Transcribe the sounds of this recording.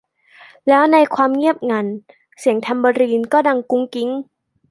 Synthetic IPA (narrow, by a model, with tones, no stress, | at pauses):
lɛː˦˥wna˧jkʰwaː˧mŋi˥˩əp̚ŋa˧n | si˨˩˦əŋt̪ʰa˧mbɔː˧ɾiː˧nkɔː˥˩da˧ŋku˦˥ŋki˦˥ŋ